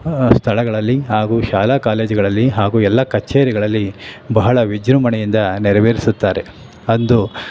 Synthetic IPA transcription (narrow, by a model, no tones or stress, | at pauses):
st̪ʰɐɭɐɡɐɭɐlːiɦaːɡuːʃaːlaːkaːle̞ːd͡ʒuɡɐɭɐlːiɦaːɡuːɛlːɐkɐt͡ʃːeːɾiɡɐɭɐlːibɐɦɐɭɐʋid͡ʒɾumɐɳɛjind̪ɐnɛɾɐʋeːɾisut̪ːaːɾe̞ | ɐnd̪u